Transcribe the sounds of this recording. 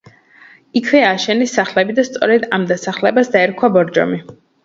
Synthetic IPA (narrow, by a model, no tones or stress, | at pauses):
ikʰvɛaːʃɛnisːaχlɛbid̪ast̪sʼɔɾɛd̪amd̪asaχlɛbasd̪aɛɾkʰwabɔɾd͡ʒɔ̰mi